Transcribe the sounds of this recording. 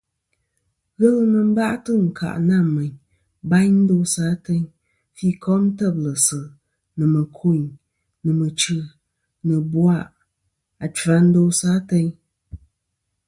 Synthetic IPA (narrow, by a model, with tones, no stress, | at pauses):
ɣɛ˦lɨ˦nə˨m̩˦ba˦ʔtɨ˦ŋ̩˨kʰa̰˨ʔna˦˨mɛ˨ɲ | ba˦ɲn̩˦do˦saː˨˦tɛ˦ɲ | fi˦kʰɔ˦m˦tɛ˦˨b̚lə˨sɨ˨ | nɨ˨mə˨kʰo˦˨ɲ | nɨ˨mə˨t͡ʃɨ˨ | nɨ˨bwa˦˨ʔ | a˨t͡ʃa˨˦n̩˦do˦sa˦tɛ˦ɲ